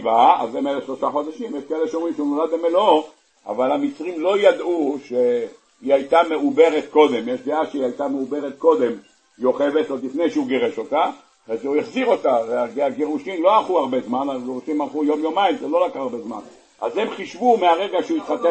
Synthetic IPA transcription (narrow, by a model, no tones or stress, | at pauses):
vaa̰zemeleʃlo̞ʃaχo̞d̪aʃimjeʃkoeleʃeomʁimʃeunolad̪̚bemelo | ʔa̰valamit͡sʁimlo̞jad̪uʃe | iajt̪ame̞ʔube̞ʁet̪ko̞d̪e̞mjeʃd̪eaʃeiajt̪ameube̞ʁet̪̚ko̞d̪e̞m | io̞χe̞ve̞t̪od̪lifne̞jʃeuɡeʁeʃo̞t̪a | ezeujeχziʁo̞t̪aveaɡeaɡeʁuʃimlo̞aχuaʁbe̞zmanalɡeʁuʃimalχujo̞mjo̞maimzelo̞lakʁaːʁbe̞zma̰n | a̰ze̞mχiʃvumeaʁe̞ɡaʃeuit̪χat̪e